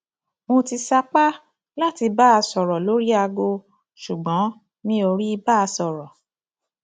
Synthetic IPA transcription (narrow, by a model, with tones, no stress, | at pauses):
mõ˧ti˧sa˧k͡pa˦ | la˦ti˧ba˦a˧sɔ˨ɾɔ˨lo˨˦ɾi˦a˧ɡo˧ | ʃu˨ɡ͡bɔ̃˨˦ | nĩ˧˦o˧ɾi˦i˧ba˦a˧sɔ˨ɾɔ˨